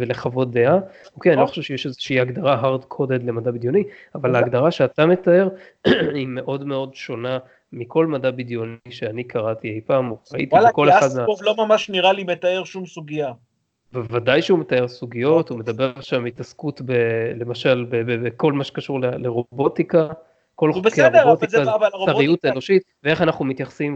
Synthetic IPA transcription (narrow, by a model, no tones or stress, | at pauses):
veleχavo̞d̪eaokeanilo̞χḁʃevʃejeʃezeʃiiaɡd̪aʁaɦaʁdkʰoded̪le̞madabid̪jo̞niavalaːɡdaʁaʃe̞atame̞t̪ae̞ʁ | ime̞ʔo̞dme̞o̞dʃo̞na | miko̞lmadabidjo̞niʃeanikʰaʁat̪iejpaːmoʁaḭt̪iiako̞leadmaovlomamaʃniʁalimet̪aeʁʃumsuɡija | vevadajʃeumetae̞ʁsuɡijo̞tume̞d̪abeʁalʃamitaskut̪bele̞maʃalbebeeko̞lmaʃe̥kaʃuʁleleʁo̞bo̞t̪ika | ko̞lχokedbot̪iavaoaʁijutaenoʃit̪̚vee̞χanaχnumit̪jaχsim